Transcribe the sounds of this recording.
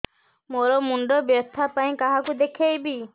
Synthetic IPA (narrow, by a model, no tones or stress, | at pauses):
moɾɔmuɳɖɔbjɔt̪ʰapaĩkaɦakud̪ekʰejbi